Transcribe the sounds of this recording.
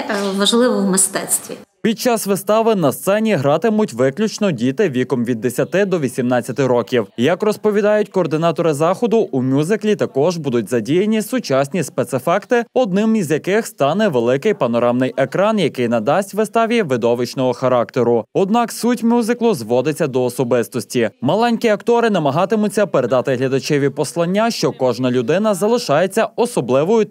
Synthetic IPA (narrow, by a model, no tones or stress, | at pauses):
t̪ɐʋɐʒlˠɪʋɔwmɪst̪ɛt̪sʲt̪ʲʋʲḭ | pʲid̪̚t͡ʃɑsʋɪst̪ɑʋɪnɐst̪sɛnʲiɦɾɑt̪ɪmʊtʲʋɪklʲut͡ʃnɔdʲit̪ɪʋʲikɔmʋʲid̪ːesʲɐt̪ɪd̪ɔʋʲisʲimnɑt͡sʲːɐt̪ɪɾɔkʲiwjɐkrɔspɔʋʲid̪ɑjʊtʲkɔːrd̪ɪnɑt̪ɔɾɪzɑxɔd̪ʊʔumʲuzɪklʲit̪ɐkɔʒbud̪ʊtʲzɐdʲijɐnʲisʊt͡ʃɑsʲnʲispet̪sɪfɑkt̪ɪɔd̪̚nɪmizjɐkɪxst̪ɑnɛʋelˠɪkɪjpɐnɔɾɑmnɪjʔekɾɑnjɐkɪjnɐd̪ɑsʲtʲʋɪst̪ɑʋʲiʋɪd̪ɔʋɪt͡ʃnɔɦɔxɐɾɑkt̪eɾʊɔd̪nɑksutʲmʲuzɪklˠʊzʋɔd̪ɪt͡sʲːɐd̪ɔːsɔbɪst̪ɔsʲtʲimɐlˠɛnʲkʲiɐkt̪ɔɾɪn̪ɐmɐɦɑt̪ɪmʊt͡sʲːɐpeɾe̞d̪ɑt̪ɪɦlʲɐd̪ɐt͡ʃɛʋʲipɔslˠɐnʲːaʃt͡ʃɔkɔʒnɐlʲʊd̪ɪnɐzɐlˠɪʃɑjet͡sʲːɐɔsɔblˠɪʋɔjʊ